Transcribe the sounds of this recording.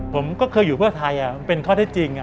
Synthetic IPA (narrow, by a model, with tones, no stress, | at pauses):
pʰo˩˦mkɔː˥˩kʰɤː˧jːuː˨˩pʰɯ˥˩ɐt̪ʰa˧jʔa˨˩˧pe˧nkʰɔː˥˩eː˥˩t͡ɕi˧ŋ˨˩